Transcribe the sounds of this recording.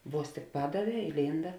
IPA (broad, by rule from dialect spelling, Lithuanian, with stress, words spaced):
ˈʋuɔs tʲɪk ˈpɑːdɐˌʋʲɛː ɪlʲˈiːndɐ